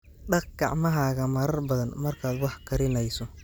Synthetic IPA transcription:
ɖɑq̚ɡɑ̰ʕmɐɦaːɣɐmɐɾɐrbɐðɐnmɐrkʰaːd̪wɑħkʰɐɾɪnɛjsɔ

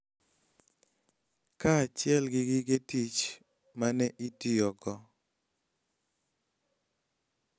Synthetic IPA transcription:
kat͡ʃɪɛlɡɪɡɪɡetit͡ʃ | manɛʔitijɔɡɔ

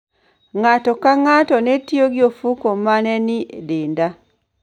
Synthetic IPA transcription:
ŋatokaŋatonetioɡjofukomanenidiːnda

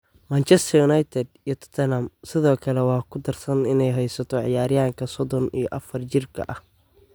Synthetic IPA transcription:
mant͡ʃɛst̪ʰɐjʊnajt̪ʰɛd̪ijɔt̪ʰɔ̥t̪ʰɐnamsɪðɔːkʰɐlɛwɑːkʰʊd̪ɐrsɐnɪnɛjɦɛjsɐt̪ʰɔʕɪjaːɾɪjaːŋkʰɐsɔd̪ɔnḭjɔʔɐfɐrt͡ʃɪrkʰɐ̰ʔɐh

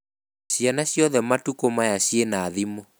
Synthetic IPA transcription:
ɕjanaɕjɔðɛmatukomajaɕjenaːðimo

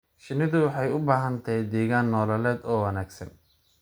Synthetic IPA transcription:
ʃɪnɪðʊwɑħɑjʊbaːɦɐnt̪ʰɛjd̪ɛːɣaːnːɔːlɐlɛːd̪ɔːwɐnaːɡsɐ̰n

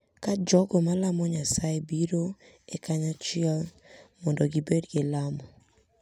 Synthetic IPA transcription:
kad͡ʒɔɡɔmalamɔɲasaebiɾo | ekaɲat͡ʃɪɛl | mɔndɔɡibedɡelamɔ

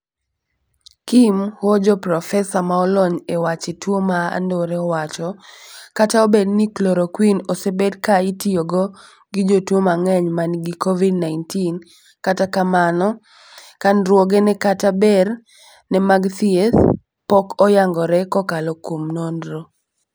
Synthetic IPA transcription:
kimhod͡ʒɔpɾɔfɛsamaɔlɔɲewat͡ʃetwomaa̰ndoɾɛɔwat͡ʃɔkataobednikloɾokwinɔsebedkaitioɡɔ | ɡid͡ʒotwomaŋɛɲmanɡikɔvidnaɪntin | katakamanɔ | kanɾwɔɡenɛkatabɛr | nɛmaɡt̪iɛθ | pɔkɔjaŋɡɔɾɛkɔkalɔkwomnondɾo

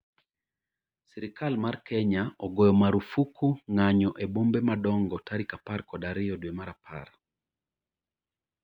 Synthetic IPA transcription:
sɛɾikalmarkɛɲaɔɡɔjɔmaɾufukʰuŋaɲɔʔebombemadɔŋɡɔtaɾikaparkɔdaɾɪjɔdwemaɾapʰa̰r

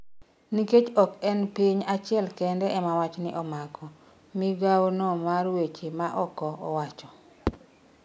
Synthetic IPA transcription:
niket͡ʃɔkɛnpiɲat͡ʃɪɛlkɛndɛɛmawat͡ʃnɪʔɔmakɔ | mɪɡawnɔmarwet͡ʃimaʔɔkɔɔ̰wat͡ʃɔ

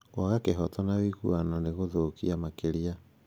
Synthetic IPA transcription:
waɣakeɦɔtɔnawiɣṵananeɣoðokiamakeɾia

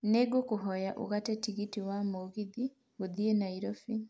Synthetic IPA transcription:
neɡokuɦɔjaʔṵɣatɛtiɣitiwamoɣiði | ɣoðienaiɾɔfi

